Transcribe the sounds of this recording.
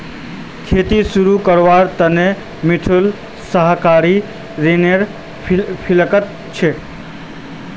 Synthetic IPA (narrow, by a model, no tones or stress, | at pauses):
kʰeːt̪isuɾukəɾʋaɾt̪əne | mɪʈʰul | səɦkaɾi | ɾeneɾ | pʰɪləkət̪ | t͡ʃʰe